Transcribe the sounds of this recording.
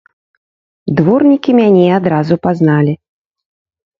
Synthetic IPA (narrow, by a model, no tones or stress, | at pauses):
d̪vɔrnʲikʲimʲanʲɛad̪ɾazupaznalʲi